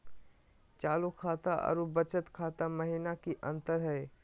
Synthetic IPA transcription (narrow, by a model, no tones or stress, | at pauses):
t͡ʃaːlokʰaːt̪aʔə̰ɾubət͡ʃət̪kʰaːt̪amɐɦinakiʔɐ̃nt̪əɾɦɛː